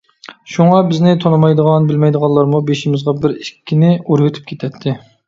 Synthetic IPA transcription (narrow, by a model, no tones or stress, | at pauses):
ʃuŋɑbɪznɪt̪ʰonɨmɑjd̪əʁɑnbɪlmɛjd̪əʁɑnlˠɑɾmubeʃimɪzʁɑbɪɾɪkʲːinɪuɾɡʲyt̪ʰy̥p̚kʲʰet̪ʰɛt̪ʰːɪ